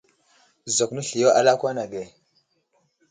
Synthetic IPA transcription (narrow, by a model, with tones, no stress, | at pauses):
zo˨knə˦ɬi˨jo˦ʔa̰˦la˦kwa˦na˨ɡe˨